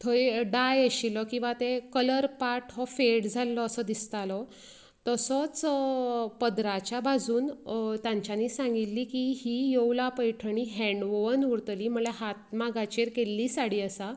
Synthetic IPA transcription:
t̪ʰoɾiɖajəɕilɔkĩw̃ʋat̪ekələɾpaʈʰɦɔfeʈd͡zʱalːɔːsəd̪ist̪alɔ | t̪əsɔt͡s | pəd̪ɾat͡ɕjabʱad͡zuːnt̪jãɲt͡ɕjaniːsãŋɡit̪liːkiɦijowlapəjʈʰəɳiɦɛ̃ɳɖʋoʋənuɽt̪liːm̤əleɦat̪̚maɡat͡ɕeɾkelːiːsaɽiːəsa

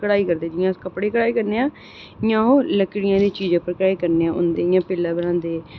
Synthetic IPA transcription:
kəɽaːiːkəɾd̪eːd͡ʒɪjãːkəpɽeːkəɽaːiːkəɾneːãː | jãːoːləkɽɪjãːd̪iːt͡ʃiːd͡ʒãːpəɾkɾaːiːkəɾneːãːʔʊ̰nd̪eːjãːpɪlːãːbənãːnd̪eː

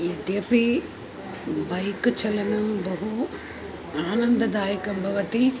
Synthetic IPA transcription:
id̪jɐpi | bɐjkt͡ʃɐlɐnɐbɐɦu | aːnɐnd̪ɐd̪aːjɐkɐmbʱɐʋɐt̪i

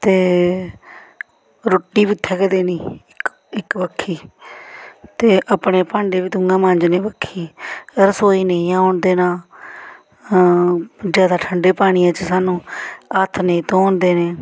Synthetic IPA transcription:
t̪eː | ɾoːʈːiːbɪt̪ʰːɛːkəd̪eːnĩːɪk | ɪkʋəkʰːiː | t̪eːʔəpɳeːpãːɳɖeːʋiːt̪ʊŋɡãːmãɲd͡ʒneːbəkʰːiːəɾsoːiːnejãːʊɳd̪eːnãː | d͡ʒjaːd̪aːʈʰəɳɖeːpaːɽ̃iːjãːt͡ʃəsaːnũːət̪ʰneĩːt̪oːnd̪eːneː

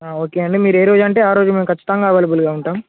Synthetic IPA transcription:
aːo̞ːke̞ːɐɳɖimiːɾe̞ːɾoːd͡ʒɐɳʈe̞ːaːɾo̞ːd͡ʒume̞ːmkʰɐt͡ʃːi̥t̪ɐŋɡaːʋɐːlibulɡaːuɳʈaːm

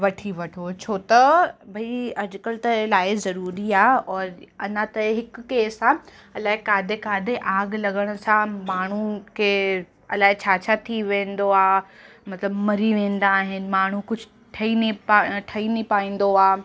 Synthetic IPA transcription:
ʋɐʈʰiʋɐʈʰot͡ɕʰoːt̪ɐbʱɐiɐd͡ʑʊkəlt̪ɐlaːɪzɐɾuːɾiaːɔːɾɐnãt̪ɐɦɪkkeːsã | ɐlaːɦekaːd̪ʱekaːd̪ʱeʔaːɡlɐɡəɽ̃ʊ̆sãmaːɳ̤ukʰeː | ɐlaːɦet͡ɕʰaːt͡ɕʰat̪ʰiʋẽːnd̪oaː | mɐt̪ləbmɐɾiʋẽːn̆d̪aːɦɪnɪ̆maːɳ̤ukʊd͡ʑʱʊ | ʈʰɐiniʈʰɐinipaːĩːn̆d̪oaː

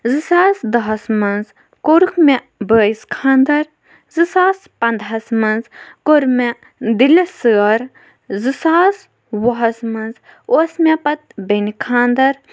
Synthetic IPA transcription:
zɨsaːsd̪ɐɦɐsmɐnz | koɾukme | bəːiskʰaːnd̪ɐɾ | zɨsaːspɐnd̪ɦɐsmɐnzkoɾme | d̪ilisɨːɐɾ | zɨsaːs | wɐɦɐsmɐnz | osmepɐt̪̚benikʰaːnd̪ɐɾ

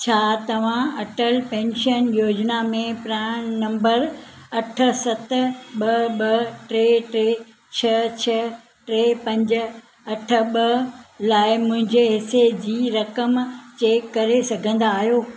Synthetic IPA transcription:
t͡ɕʰaːt̪ɐʋ̤ãɐʈəlpẽːnʃənjoːd͡ʑnamẽpɾãːɽ̃nɐ̃mbəɾɐʈʰə̆sɐt̪̆ɓɐɓɐʈɾeːʈɾeː | t͡ɕʰɐt͡ɕʰɐ | ʈɾeːpɐ̃ɲd͡ʑ̆ | ɐʈʰə̆ɓɐlaːɪmʊ̃ɦɪ̃ɲd͡ʑeɦɪsed͡ʑiːɾɐkəmt͡ɕeːkːɐɾesɐɡʱə̃nd̪aːɦijoː

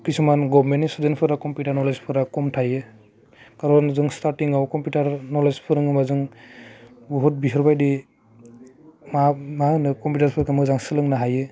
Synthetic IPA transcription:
kisʰumanɡɔbmenisudenpʰɯɾakɔmpjutaɾnɔlezpʰɯɾakɔmtʰajɯ | kaɾɔnzɯŋstaɾtiŋawkɔmputaɾnɔlezpʰɯɾɯŋɯmazɯŋ | bɔɦut̚biɦɯɾbajdi | mamanɯkɔmpjutaɾpʰɯɾkʰamɯzaŋsɯlɯŋnaɦajɯ

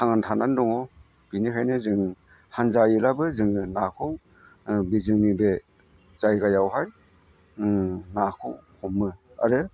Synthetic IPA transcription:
tʰaŋantʰanandɔŋɔ | b̥inikʰajnɯzɯŋ | hanzajilabɯzɯŋɯnakʰɔw | bizɯŋnibe | zajɡajawɦaj | nakʰɔwhʰɔmːɯ | a̰ɾɯ

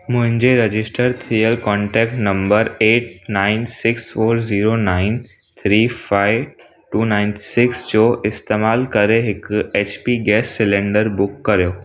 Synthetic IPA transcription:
mʊ̃ɦɪ̃ɲd͡ʑeɾɐd͡ʑɪsʈəɾt̪ʰijəlkɔ̃ːɳʈɛːk̚ʈnɐ̃mbəɾeːʈ̚naːɪnsɪksfoːɾziːɾonaːɪn | t̪ʰɾiːfaːɪʋ | ʈuːnãːɪnsɪksd͡ʑoːʔɪst̪eːmaːlkɐɾeɦɪkeːt͡ɕpiɡɛːsːɪlẽːɳɖəɾbʊkːɐɾijoː

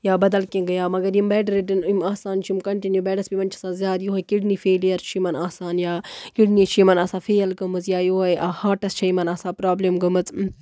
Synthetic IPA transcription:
jaːbɐd̪ɐlkĩɡɐjaːmɐɡɐɾjimbɛːɖɐɾiɖinimaːsaːnt͡ʃʰimkɐɳʈinjubɛːɖɐsbimɐnt͡ʃʰɐ̥sãːzʲjaːd̪joɦɐkiɽnifeːlijɐɾt͡ʃʰimɐnaːsaːnjaːkiɖnit͡ʃʰimɐnaːsãːfeːlɡɐmɨzjaːjoːɦɐjʔahaːʈɐst͡ʃʰɐimɐnaːsãːpɾaːblemɡɐmɨt͡s

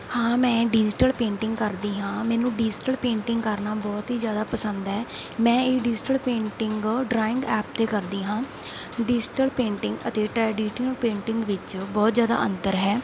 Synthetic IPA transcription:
hãːmɛ̃ːɖɪd͡ʒʈəlpẽːɳʈɪ̃ŋɡkəɾd̪iːɦãːmɛːnũːɖɪːd͡ʒʈəlpẽːɳʈɪŋɡkəɾnaːbɔːt̪ɦiːzjaːd̪aːpəsənd̪ɦɛːmɛ̃ːeːɖɪd͡ʒʈəlpẽːɳʈɪŋɡɖɾaːɪ̃ŋɡɛːp̚t̪eːkəɾd̪iːɦãː | ɖɪd͡ʒʈəlpẽːɳʈɪŋɡə̰t̪eːʈɾɛːɖiːʃənəlpẽːɳʈɪŋɡʋɪt͡ʃbɔːt̪zjaːd̪a̰ːʔə̃nd̪əɾɦɛː

